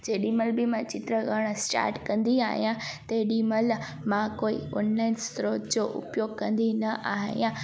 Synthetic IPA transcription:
d͡ʑeːɗiməlbɪmãt͡ɕɪt̪ɾəɡəɽ̃sʈa̰ːɾʈkɐ̃nd̪ia̰ːɦijãt̪ɐɗimɐl | mãkoːḭoːnlaːɪnst̪ɾoːtd͡ʑoʔʊ̰pjoːɡ̚kɐ̃nd̪inɐʔaːɦḭjã

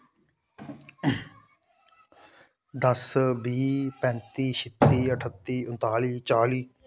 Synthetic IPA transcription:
d̪əsbiːpɛ̃nt̪iːʃɪt̪ːiːəʈʰət̪ːiːʊ̃nt̪aːliːt͡ʃaːliː

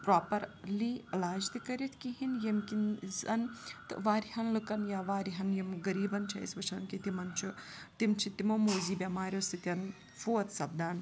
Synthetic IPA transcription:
pɾaːpɐɾliːɐlaːd͡ʒt̪ɨkɐɾit̪ʰkiɦinjemkinzɐnt̪ɨ̰ʋaːɾiɦɐnlɨkɐnjaʋaːɾiɦɐnjemɡɐɾiːbɐnt͡ʃʰɐ̰ḭsbɐt͡ʃʰɐnkit̪imɐnt͡ʃʰut̪imt͡ʃʰit̪imoːmoːziːbʲamaːɾʲjost̪ɨt̪ʲɐn | foːɐt̪ʰsɐbd̪aːn

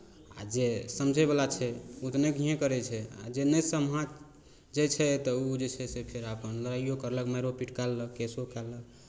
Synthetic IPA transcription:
a̰d͡ʒesəmd͡ʒʱɛblat͡ʃʰɛut̪nekiẽkəɾɛt͡ʃʰɛa̰d͡ʒenəsəmɦãt͡ʃ | d͡ʒet͡ʃʰɛt̪ɔud͡ʒet͡ʃʰɛsepʰeɾapənləɾaijokəɾləkmaɾopiʈkalːəkkesokalːək̚

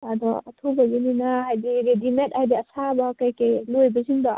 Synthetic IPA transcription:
ad̪ɔɐtʰubɐzininaɦajdiɾedimentɦajdiɐsabakajkelojbɐziŋda

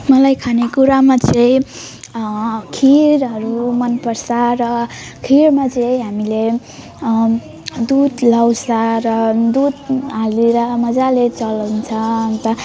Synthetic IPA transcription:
mʌlajkʰanekuɾamat͡sʌĩ | kʰiɾɦʌɾumʌnpʌrsarʌ | kʰiɾmat͡sʌĩɦamile | d̪ud̪lawsaɾʌd̪ud̪aleɾʌmʌd͡zalet͡sʌlʌwnt͡sʰʌnt̪ʌ

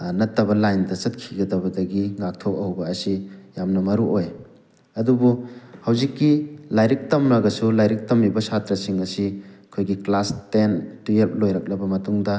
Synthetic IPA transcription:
nɐtːɐbɐlajndɐsɐt̚kʰiɡɐdɐβɐdɐɡiŋak̚tʰok̚ɐwbɐːsijamnɐmɐɾuʔoj | ɐdubuhɐwzikːilajɾik̚tɐmnaɡɐsulajɾik̚tɐmːibɐsʰatɾɐsiŋɐsikʰojɡiklastentuep̚lojɾɐk̚lɐbɐmɐtuŋdɐ

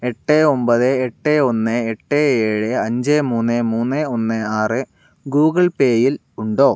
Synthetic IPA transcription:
e̞ʈːeombɐðɨeʈːeonːɨeʈːeeːɻɨɐɲd͡ʑemuːnːɨmuːnːɨonːɨaːrɨ | ɡuːɣɐɭpeːjil | uɳɖo̞ː

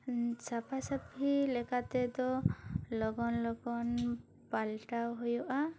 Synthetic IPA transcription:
sapʰasapilɛkat̪ɛd̪ɔlɔɡɔnlɔɡɔn | palʈawɦujɔʔa

